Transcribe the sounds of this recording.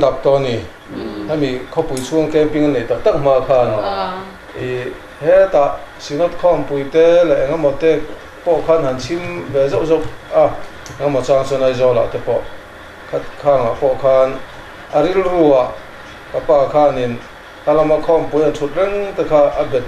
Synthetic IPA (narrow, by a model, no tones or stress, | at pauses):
ndap̚t̪ɔni | amikʰɔpujt͡sʰuəŋkɛmpiŋanlɛt̪ak̚t̪ak̚m̥akʰaːnɔ | ʔi | hɛt̪aʔsinɔt̪̚kʰɔmpujt̪ɛlɛʔŋamɔt̪ɛ | pɔʔkʰaːnhant͡sʰimvɛzawʔzɔwa | ŋamɔt͡saŋt͡sɔnɐjzɔwla̰t̪ɛpɔʔ | kʰat̪̚kʰaːŋapɔʔkʰaːn | ʔəɾilruaʔ | kapaːkʰaːnin | kalamakʰɔmpujantʰut̪̚rɛŋt̪ɛkʰaʔabɛt̪̚